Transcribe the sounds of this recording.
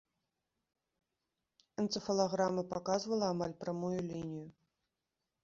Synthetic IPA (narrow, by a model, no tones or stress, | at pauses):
ɛnt̪sɨfɐlˠaɣɾamɐpakazvɐlˠɐamalʲpɾamujulʲinʲijʊ